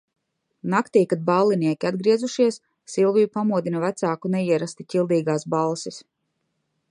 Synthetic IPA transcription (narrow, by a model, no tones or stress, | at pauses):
nakt̪ijkad̪̚balˠːiniɛkʲiad̪ɡɾiɛzuʃiɛs | sːilˠvijupamuɔd̪inɐvæt̪saːkunɛiɛɾast̪icʲilˠd̪iːɡaːsbalˠsis